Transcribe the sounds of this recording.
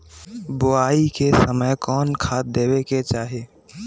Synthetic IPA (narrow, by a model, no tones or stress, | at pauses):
bʊaːikesəməjkɔːnkʰaːd̪eːbeket͡ʃaːɦe